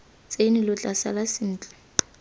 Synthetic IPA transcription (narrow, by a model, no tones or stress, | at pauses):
t͡sʼenilʊt͡ɬʼasa̰lasɪn̩ːt͡ɬʼɛ̥